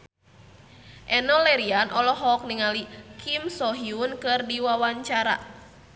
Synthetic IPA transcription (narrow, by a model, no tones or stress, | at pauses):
ʔɛnɔlɛɾianʔɔlɔɦɔk̚niŋalikʰimsɔɦiunkɨrdiwawaɲt͡ʃaɾa̰